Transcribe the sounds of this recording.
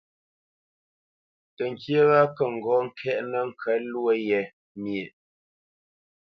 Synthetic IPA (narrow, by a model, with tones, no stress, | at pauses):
tə˨ŋ˨kjə˦ɣa˦kə˨ŋ̩˨ɡɔ˨˦ŋ̩˦kʰɛ˦ʔnə˦ŋ̩˨kʰə˨˦lwə˦jɛ˨ | mje˨ʔ